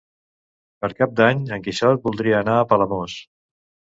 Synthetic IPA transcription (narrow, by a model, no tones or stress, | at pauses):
pəɾkap̚d̪aɲəŋkiʃɔt̪̚bulˠd̪ɾiəːnaəpələmos